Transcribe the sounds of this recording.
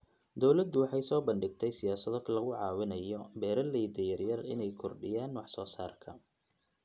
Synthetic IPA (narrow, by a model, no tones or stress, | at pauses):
d̪ɔwlɐd̪ːʊwɑħɑjsɔːbɐnɖɪɡt̪ʰɛjsɪjaːsɐðɔlɐɣʊʕɑːwɪnɐjɔbɛːɾɐlɛjd̪ɛjɐrjɐrɪ̰nɛjkʰɔrɖɪjaːnwɑħsɔːsaːrkʰɐ